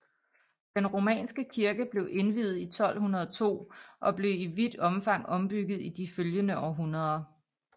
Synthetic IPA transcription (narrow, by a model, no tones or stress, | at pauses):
d̥enʁo̝mɛ̰ːnsɡ̥əkʰiɐɡ̥əb̥le̝ʊʔe̝nʋið̩ˠit͡sʰɒ̽l̰hunɐð̞ˠɒt͡sʰo̝̰ːʔɒ̽b̥le̝ʊiʋid̥ɒ̽mfɑ̈ŋ̰ɒ̽mb̥yɡ̥ð̞̩ˠid̥iføljənəɒʊɦunɐð̞ˠɐ